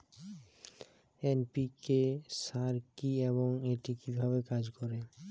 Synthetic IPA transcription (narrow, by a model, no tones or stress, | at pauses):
enpikeʃaɾkieβoŋeʈikibʱaβekad͡ʑkɔɾe